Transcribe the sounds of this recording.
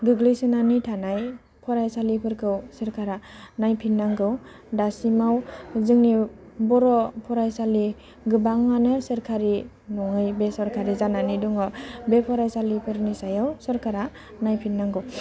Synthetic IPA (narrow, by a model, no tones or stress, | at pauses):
ɡɯɡlisɯnanɯtʰanaj | pʰɔɾajsalipʰɯɾkʰɯwsɯɾkʰaɾanajpʰinːaŋɡɯw | dasimawzɯŋni | bɔɾɔpʰɔɾajsali | ɡɯbaŋmanɯsɯɾkʰaɾi | nɔŋɯjbesɔɾkʰaɾizananiduŋɔbepʰɔɾajsalipʰɯɾnisajawsɔɾkʰaɾa | najpʰinːaŋɡɯw